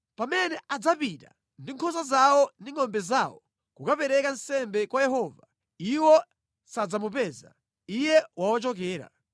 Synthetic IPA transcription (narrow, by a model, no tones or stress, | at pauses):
pamɛnɛʔad͡zapita̰ | ndiŋkʰɔs̬azawɔndiŋɔmbɛzawɔ | kukapɛɾɛkansɛmbɛkwajɛɦɔva | iwɔ | sad͡zamupɛza̰ | ijɛwawɔt͡ʃɔk̬ɛːɾa̰